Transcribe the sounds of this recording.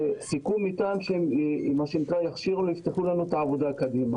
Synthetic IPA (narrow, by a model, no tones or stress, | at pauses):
sikumit̪aːmʃeimaʃenikʁajaχʃiʁulojift̪eχulanuet̪aːvo̞d̪aːkad̪ima